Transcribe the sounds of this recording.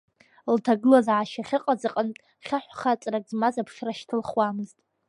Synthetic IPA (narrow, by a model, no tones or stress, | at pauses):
ltʰaɡɨlazʕaʃaχʲɪqʼad͡zaqʼəntʼ | χʲaħʷχat͡sʼrakʼzmazapʰʂraʃtʰɨlχwamɨztʼ